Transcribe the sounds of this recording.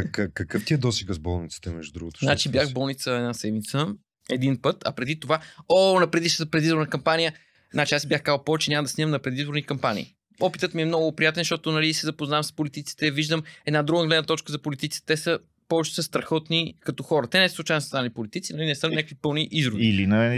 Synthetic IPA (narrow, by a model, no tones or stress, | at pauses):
kəkɐkɤft̪iɛd̪ɔsiɡəsbɔ̰lˠnit̪sə̥t̪ɛmɛ̰ʒd̪ud̪ɾṵɡʊt̪o̥znat͡ʃibjaxbɔlˠnit̪səɛd̪nasɛd̪mit̪sə | ɛd̪inpɤt̪ɐ̰pɾɛd̪it̪ovaonɐpɾɛd̪iʃt̪pɾɛd̪izboɾnəkɐmpanijə | znat͡ʃiasibʲjaxkazəpɔvɛt͡ʃɛnʲaməd̪ɐsʲiməmnɐpɾɛd̪izboɾnikɐmpanʲḭː | ɔpit̪ət̪miɛmnɔɡʊpɾijat̪ɛnʃt̪ɔt̪onɐlisizɐpoznamspolit̪it̪si̥t̪ɛviʒd̪əmɛd̪nad̪ɾuɡəəɡlɛd̪nət̪ɔt͡ʃkəzɐpolit̪it̪si̥t̪ɛ̥t̪ɛsə | pɔvɛt͡ʃɛ̥səst̪ɾɐxɔt̪nikɐt̪ɔxɔɾət̪ɛnɛsslˠuʊt͡ʃajnssanipolit̪it̪sinɐlinɛsəmnʲɲʲakəkvipɤlˠniʔizɾoviilinɐ